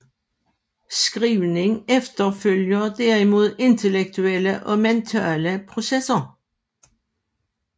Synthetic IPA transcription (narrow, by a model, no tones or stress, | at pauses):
skʁiːʋnɪŋɛft̪əføljəd̪æʁɪmuðˠɪnt̪ʰəlɛk̚t̪ʰʉɛləʔɔmɛnt̪ʰæːləpʰʁʊsɛsɐ